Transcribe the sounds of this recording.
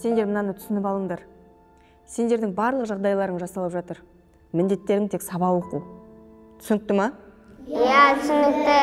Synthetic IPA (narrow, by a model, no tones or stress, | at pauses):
se̞nd̪e̞ɾmənɑnət̪ʰʏ̥sɪnɪpɑlˠəɴd̪ɑɾ | se̞nd̪e̞ɾd̪ɪŋbɑɾlˠəqʒɑʁd̪ɑjlˠɑɾəɴʒɑsɑlˠəpʒɑt̪əɾ | mɪnd̪e̞t̪ːe̞ɾɪŋt̪ʰeksɑbɑwoqu | tt̪ʰʏ̥sɪnɪk̚t̪ɪmɑ | jæt̪ʰʏsɪnɪk̚t̪ɪ